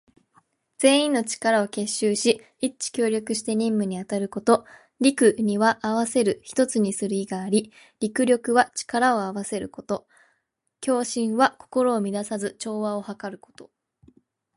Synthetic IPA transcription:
d͡z̥e̞ːĩnːo̞t͡ɕi̥kaɾao̞ke̞ɕːɨːɕi | it͡ɕi̥kʲo̞ːɾʲo̞kɯ̟ɕi̥t̪e̞ɲ̟ĩmːɯ̟ɲ̟iat̪aɾɯ̟ko̞t̪o̞ | ɾʲikɯ̟ɲ̟iβaʔaβ̞ase̞ɾɯ̟çi̥t̪o̞t͡sɨɲ̟isɨɾɯ̟iɡaːɾʲi | ɾʲikɯ̟ɾʲo̞kɯ̟βat͡ɕi̥kaɾao̞aβase̞ɾɯ̟ko̞t̪o̞ | kʲo̞ːɕĩɰ̃βako̞̥ko̞ɾo̞ːmʲid̪asazɨt͡ɕo̞ːβao̞hakaɾɯ̟ko̞̥t̪o̞

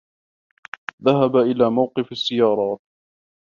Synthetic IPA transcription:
ðaɦabaʔɪlaːmawqɨfasːɪjɑːɾˤɑːt̪̚

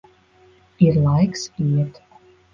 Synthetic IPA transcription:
iɾlˠajksiɛt̪

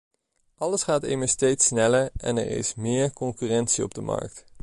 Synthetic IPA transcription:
ʔɑləsχaːtɪjməɹstejtsnɛləɹɛ̰nɛ̰ɹɪ̰smɪːɹkɔŋkyːrɛntsiɔ̰b̚dəmɑ̰ɹk̚t

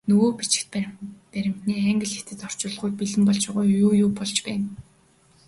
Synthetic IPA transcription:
nɵɣoːpit͡ɕɪ̆kt̪̚pæɾʲɪ̆m̥t̪niːæŋɡɘ̆ɮxet̪ɘ̆t̪ɔr̥t͡ɕʊːɮʁʊːjt̪̚piɮɘ̆mpɔɮt͡ɕʊʁʊːjjuːjʊːpɔɮt͡ɕpæːn

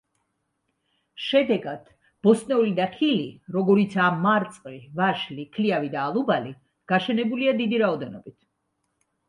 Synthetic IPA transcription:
ʃɛd̪ɛɡad̪̥ | b̥ɔsnɛulid̪aχiliɾɔɡɔɾit̪sʰaamːaɾt̪sʼqʼlivaʃlikʰliavid̪aːlˠubali | ɡ̥aʃɛnɛbuliad̪id̪iɾaɔd̪ɛnɔbit̪ʰ

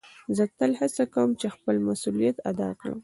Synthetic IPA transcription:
zət̪əlhasakawəmt͡ʃexpəlmasulijat̪ad̪ɑ̰kɽə̰m

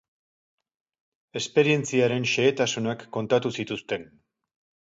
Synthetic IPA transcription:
e̞spe̞ɾie̞nt͡siaɾe̞nʃe̞ːt̪asunakːo̞nt̪at̪usit̪ust̪e̞n

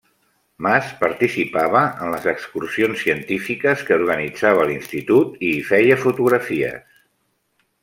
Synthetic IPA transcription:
maspəɾt̪isipaβ̞əənləzəkskursionsːiənt̪ifikəskəuɾɣənid͡zaβ̞əlinst̪it̪ut̪ifɛjəfut̪uɣɾəfiə̰s

